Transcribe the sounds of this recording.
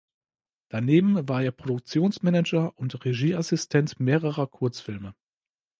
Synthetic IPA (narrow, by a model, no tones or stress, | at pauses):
d̥aneːbm̩vaːɐʔeːɐpʁ̥odʊk̚t͡sjoːnsmɛnɛd͡ʒɐʔʊntʁeʒiːasɪstʰɛntmeːʁəʁɐkʰʊɐt͡sfɪlmə